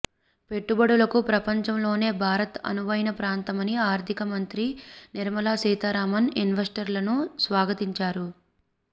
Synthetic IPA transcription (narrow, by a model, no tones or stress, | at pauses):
pe̞ʈːubɐɽulɐkupɾɐpɐɲt͡ʃɐmlo̞ːne̞ːbʱaːɾɐt̪ɐ̰nuʋɐjinɐpɾaːnt̪ɐmɐniaːɾt̪ʰikɐmɐnt̪ɾiniɾmɐlaːsiːt̪aɾaːmɐninʋɐsʈɐɾlɐnusʋaːɡɐt̪iɲt͡ʃaːɾu